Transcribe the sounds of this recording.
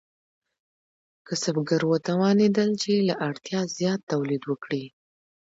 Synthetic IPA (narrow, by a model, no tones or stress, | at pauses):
kəsabɡaɾwət̪awɑned̪əlt͡ʃelaʔaɽt̪jɑzjɑt̪ːawlid̪wəkɽi